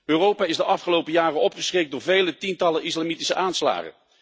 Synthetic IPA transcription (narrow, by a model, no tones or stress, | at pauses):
øːrowpaːɪzdəʔɑfχəlowpəjaːrənɔpχəsχrek̚dʊːɹvejlətintɑləʔɪslamiti̥səʔaːnsla̰ːχə̰n